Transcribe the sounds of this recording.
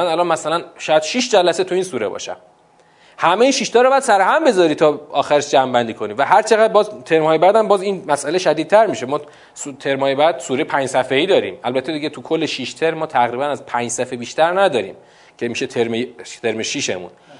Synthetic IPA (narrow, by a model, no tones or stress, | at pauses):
ænælɒnmæsælænʃæd̪ʃiʃd͡ʒælæset̪ʰuiːnsuːɾḛbɒ̰ʃæ̰m | hæmeiːnʃiʃt̪ɒːɾobææd̪sæɾehæmbe̞zɒːɾiːt̪ʰɒːɒːxæɾeʃd͡ʒæmbænd̪iːkʰo̞niːvæɦæɾt͡ʃʰeɣæd̪̚bɒːzt̪ʰe̞ɾmhɒːjebæd̪æmbɒːzinmæsæle̞ʃæd̪idt̪̚t̪ʰæɾmiʃemɒː | sut̪ʰe̞ɾmhɒːjebæd̪̥suːɾepʰæɲd͡ʒsæfeiːd̪ɒːɾḭːmælbæt̪ʰːe̞d̪iɟet̪ʰukʰolːeʃiʃt̪ʰe̞ɾmːɒːt̪ʰæɣɾiːbænæzpʰæːɲd͡ʒsæfebiːʃt̪ʰæɾnæd̪ɒːɾḭːm | cʰemiʃe̞t̪ʰeɾmejt̪ʰe̞ɾmeʃiʃḛmṵn